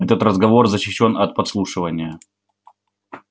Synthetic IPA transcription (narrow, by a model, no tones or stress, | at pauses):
ɛt̪ət̪rəzɡɐvo̞rzəɕːɪɕːo̞nɐt̪̚pɐt̪slˠuʂɨvənʲɪjə